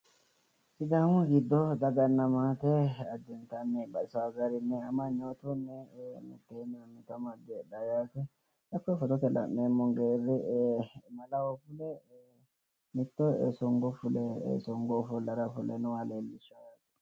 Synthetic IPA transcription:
sɪd̪aŋʊɡɪd̪ːɔd̪ɐɡɐnːɐmaːt̪ɛɐd̪ɛnt̪ɐnːɛbɐɪsɐwaɡɐɾɪnːɛɐmɐɲːoːt̪ʊnːɛmɪ̰t̪ːenːɛmɪt̪ːɔmɐd̪ɛːɗajaːt̪ɛ | ʔɐkːɔfɔt̪ɔt̪ɛlɐ̰mːemːɔŋɡeːrɪ | nɐlɐwɔfʊlɛ | mɪt̪ːɔsɔŋɡɔfʊlɛsɔŋɡɔfʊlɐɾɐfʊlɛnʊwaleːlːɪʃajat̪ɛ̥

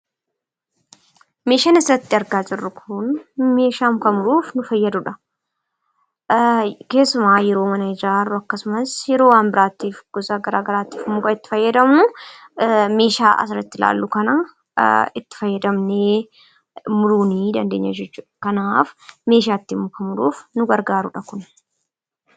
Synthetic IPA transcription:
me̞ːʃɐnɪsɾɐt̪ːɪɐɾɡaːd͡ʒɪrːʊkʰʊnme̞ːʃaːmkɐmʊɾuːfnʊfɐjːɐd̪ʊᶑɐ | ke̞ːsːʊmaːjɛɾo̞ːmɐnɐɪd͡ʒɪɾaːrːʊɐkːɐsʊmɐsjɛɾoːwaːnbɪɾaːt̪ːiːfɡ̥ɔzaːɡɐɾaːɡɐɾaːt̪ːi̥ːfmʊkɐɪt̪ːɪ̥fɐjːɐd̪ɐmnʊ | me̞ːʃa̰ːʔɐ̰sɾɛt̪ːɪla̰ːlːʊkɐnɐ | ɪt̪ːɪ̥fɐjːɐd̪ɐmneː | mʊɾuːniːd̪ɐnd̪eːɲːɐ̰d͡ʒɛt͡ʃːuːkɐnaːfme̞ːʃ̬aːt̪ːimːʊkɐmʊɾṵːfnʊɡɐɾɡaːɾʊᶑɐkʊn

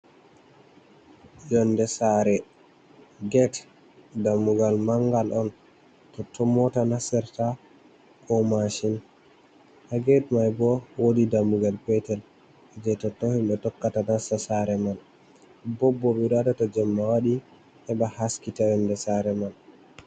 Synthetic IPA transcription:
jɔndɛsaɾɛ | ɡɛt | damːuɡalmaŋɡalʔɔn | tɔtɔmɔtanasɛɾta | kɔmaʃin | haɡɛtmajbɔwodidamːuɡalpɛtɛl | ɛd͡ʒɛtɔtɔhimɓɛtɔkːatanasasaɾɛmal | bɔbːɔɓɛɗadatɔd͡ʒɛmːawaɗi | tɛɓahaskitajɔndɛsaɾɛmal

